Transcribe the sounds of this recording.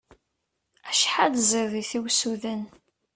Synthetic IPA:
æʃħad̪ziɾðiθiwsuðən

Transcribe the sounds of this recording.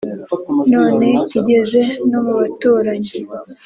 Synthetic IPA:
no̞ːne̞ciɟe̞ze̞no̞muβatuːɾaɲe

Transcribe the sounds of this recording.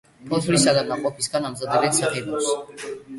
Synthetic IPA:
pʰɔt̪ʰɾisad̪amaqʼɔpʰisɡanamzad̪ɛbɛt̪saχɛd̪ɔps

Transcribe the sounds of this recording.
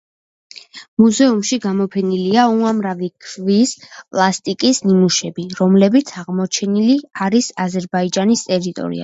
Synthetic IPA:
muzɛumʃiɡamɔpʰɛniliauamɾavikʰvispʼlˠast̪ʼikʼisnimuʃɛbiɾɔmlɛbit̪sʰaʁmɔt͡ʃʰɛniliaɾisazɛɾbaid͡ʒanist̪ʼɛɾit̪ʼɔ̰ɾḭa̰

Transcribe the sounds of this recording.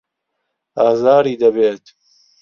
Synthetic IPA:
ɑːzɑːɾiːd̪ɐbeːt̪

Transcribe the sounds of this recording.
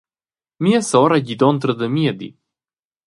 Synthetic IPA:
miɛsɔɾaɟid̪ɔnt̪ɾəd̪əmiɛd̪ḭ

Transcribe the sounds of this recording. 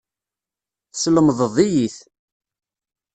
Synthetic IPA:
θsləmðˤəðˤijiθ

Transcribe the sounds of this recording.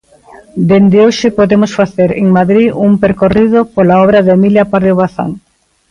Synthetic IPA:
d̪end̪ɪoʃɪpoðemosfaθeɾeŋmaðɾiuŋpeɾkoriðopolaɔβɾaðemiljapaɾðoβaθa̰ŋ

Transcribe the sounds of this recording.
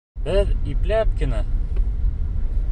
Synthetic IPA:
bɘðiplæp̚kɘ̆nɘ

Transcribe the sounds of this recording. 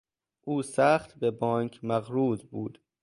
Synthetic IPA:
ʔuːsæːχt̪bebɒːnkʰmæɣɾuːzbuːd̪̥

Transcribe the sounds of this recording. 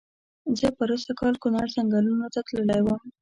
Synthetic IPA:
zəpəɾosakɑlkʊnɑɽzaŋɡɑlunot̪at̪ləlajwəm

